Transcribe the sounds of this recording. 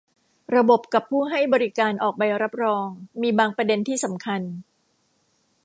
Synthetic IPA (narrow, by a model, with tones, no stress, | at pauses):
ɾa˧bo˨˩p̚ka˨˩pʰːuː˥˩ɦa˥˩jbɔː˧ɾi˦kaː˧nʔɔː˨˩k̚pa˧jɾa˦˥p̚ɾɔː˧ŋmiː˧baː˧ŋpɾa˧de˧nt̪ʰiː˥˩sa˩˦mkʰa˧n